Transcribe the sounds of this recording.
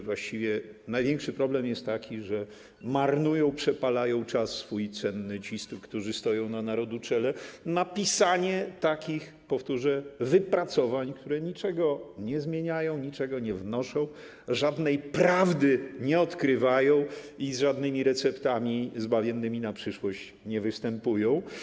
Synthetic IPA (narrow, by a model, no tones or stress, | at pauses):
vwaɕt͡ɕivʲjɛnajvʲjɛŋkʂɘpɾɔblɛmjɛst̪ːakʲʰiʐɛ | maɾnujɔ̃w̃pʂɛpalajɔ̃w̃t͡ʂasːfujt̪sɛnːɘt͡ɕist̪ukt̪uʐɘst̪ɔjɔ̃w̃nanaɾɔd̪ut͡ʂɛlɛnapʲisaɲɛt̪akʲix | pɔft̪uʐɛvɘpɾat̪sɔvaɲkt̪uɾɛɲit͡ʂɛɡɔɲɛzmʲjeɲajɔ̃w̃ɲit͡ʂɛɡɔɲɛvnɔʂɔ̃w̃ | ʐad̪nɛjpɾavd̪ɘɲɛɔt̪kɾɘvajɔ̃w̃ | izʐad̪nɘmʲiɾɛt̪sɛpt̪amʲizbavʲjɛnːɘmʲinapʂɘʂwɔɕt͡ɕ | ɲɛvɘst̪ɛmpujɔ̃w̃